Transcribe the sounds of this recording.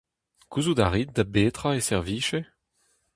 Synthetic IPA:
kuzudaʁit̪̚d̪abeːt̪χaesɛʁviːʃe

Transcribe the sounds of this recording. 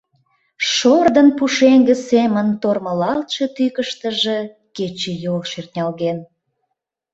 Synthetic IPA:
ʃord̪ənpuʃeŋɡĕsemənt̪orməlɑlt̪ʃe̽t̪ykəʃt̪əʒe | ket͡ɕejolʃert̪ʲnʲɑlɣen

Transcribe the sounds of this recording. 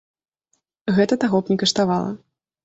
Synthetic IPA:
ɣɛt̪ɐt̪aɣɔpnʲikɐʂt̪avalˠɐ̰

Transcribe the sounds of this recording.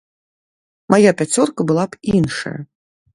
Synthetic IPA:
mʔajapʲat͡sʲɔrkɐbɨlˠapinʂɐ̰jɐ̰

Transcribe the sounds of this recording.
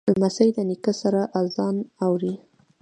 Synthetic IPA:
lmasəjd̪ənikəsaɾaʔazɑnawɾi

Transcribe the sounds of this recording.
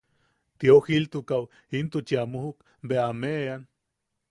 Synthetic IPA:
t̪iohilt̪ukaw | int̪ut͡ʃiamoɦuk | beamean

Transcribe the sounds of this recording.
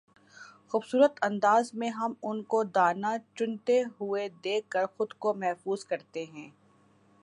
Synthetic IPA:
xuːbsuːɾət̪ɐ̃nd̪aːzmẽɦɐmʊnkod̪aːnat͡ʃʊnt̪eɦʊed̪eːkːəɾxʊd̪komɛɦfuːzkɐɾt̪eɦɛ̃ː

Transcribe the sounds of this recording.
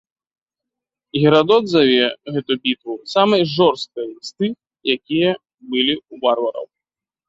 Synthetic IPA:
ɣʲiɾad̪ɔd̪zavʲɛɣɛt̪ubʲit̪vusamɐjʐɔrst̪̚kɐjlist̪ɨ | jakʲijɐ | bɨlʲiuvarvɐɾɐ̰w

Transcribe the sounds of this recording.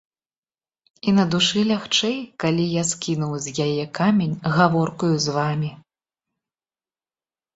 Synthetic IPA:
inɐd̪uʂɨlʲaxt͡ʂɛjkalʲijaskʲinuwzʲjajɛkamʲenʲɣavɔrkujuzvamʲi

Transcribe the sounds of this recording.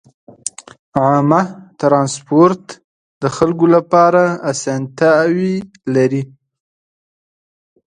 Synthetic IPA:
ʕɑmat̪ɾɑnspoɾt̪ | d̪əxalkolapɑɾaːsant̪awi | laɾi

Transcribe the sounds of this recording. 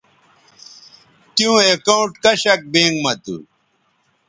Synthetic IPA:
t̪iũekaũʈkɐɕɐk̚bẽːŋɡmɐt̪ṵ

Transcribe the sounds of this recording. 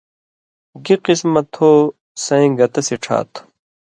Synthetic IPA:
ɡiqismɐt̪hoː | sɐ̃ĩɡɐt̪ɐsiʈ͡ʂʰa̰ːt̪ʰ

